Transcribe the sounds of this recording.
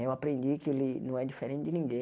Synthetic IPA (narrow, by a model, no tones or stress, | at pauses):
ewapɾẽnd̪ikɪelɪnɐ̃w̃ɛd͡ʒifeɾẽnt̪ɪd͡ʒ̪ɪnĩɡẽ